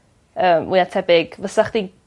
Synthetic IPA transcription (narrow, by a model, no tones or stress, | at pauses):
əːmwiatʰɛbɪɡ̥vəsaχd̥i